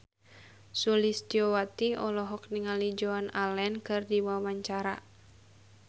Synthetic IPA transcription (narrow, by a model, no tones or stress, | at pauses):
sulist̪iɔwat̪iɔlɔɦɔk̚niŋalid͡ʒoanalɛnkɨrdiwawaɲt͡ʃaɾa